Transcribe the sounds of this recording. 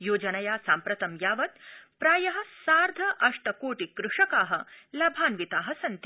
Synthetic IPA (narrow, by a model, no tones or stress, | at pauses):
joːd͡ʒɐnɐjaːsaːmpɾɐt̪ɐmjaːʋɐt̪̚pɾaːjɐɦɐ̆saːɾd̪ʱɐʔɐʂʈɐkoːʈikɾuʂɐkaːɦɐ̆lɐbʱaːnʋit̪aːɦɐsɐnt̪i